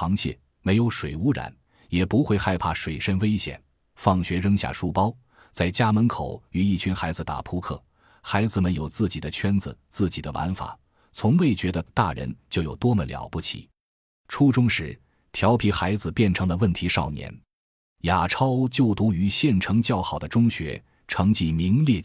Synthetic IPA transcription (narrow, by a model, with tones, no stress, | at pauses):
xɑ˧˥ŋt͡ɕʰjɛ̰˥˩ | me˧˥ɪjo˧˥ʊʂwe˨˩ɪu˧˥ɻa̰˨˧˦n | jɛ˨˩pu˧˥xwe˥˧ɪxa˥˧ɪpʰa˥˩ʂwe˨˩ɪʂə˥nwe˥ɪɕjɛ̰˨˩n | fɑ˥˩ŋɕɥɛ˧˥ɻə˥ŋɕja̰˥˧˩ʂu˥˩pɑ˥ʊ | t͡sa˥˩ɪt͡ɕja˥mə˧˥nkʰo˨˩˦ʊy˧˥i˥˩t͡ɕʰy˧˥nxa˧˥ɪd͡zɹ̩˧t̪a̰˨˩pʰu˥kʰɤ̰˥˩ | xa˧˥ɪd͡zɹ̩˧mə˧˥njo˨˩ʊt͡sɹ̩˥˩t͡ɕi˨˩d̪ə˦t͡ɕʰɥɛ˥nd͡zɹ̩˨t͡sɹ̩˥˩t͡ɕi˨˩d̪ə˦wa̰˧˥nfa̰˨˩˦ | t͡sʰʊ˧˥ŋwe˥˩ɪt͡ɕɥɛ˧˥d̪ə˧t̪a̰˥˩ɻə̰˧˥nt͡ɕjo˥˩ʊjo˨˩ʊt̪wɔ˥mə̰˨˩ljɑ̰˧˥ʊpu˥˩t͡ɕʰḭ˨˩˦ | ʈ͡ʂʰu˥ʈ͡ʂʊ˥ŋʂɻ̩˧˥ | t̪ʰjɑ˧˥ʊpʰi˧˥xa˧˥ɪd͡zɹ̩˧pjɛ˥˩nʈ͡ʂʰɤ˧˥ŋlə˧wə˥˩nt̪ʰi˧˥ʂɑ̰˥˩ʊnjɛ̰˧˥n | ja˨˩ʈ͡ʂʰɑ˥ʊt͡ɕjo˥˩ʊt̪u˧˥y˧˥ɕjɛ˥˩nʈ͡ʂʰɤ˧˥ŋt͡ɕjɑ˥˩ʊxɑ˨˩ʊd̪ə˦ʈ͡ʂʊ˥ŋɕɥɛ̰˧˥ | ʈ͡ʂʰɤ˧˥ŋt͡ɕi˥mi˧˥ŋljɛ˥˧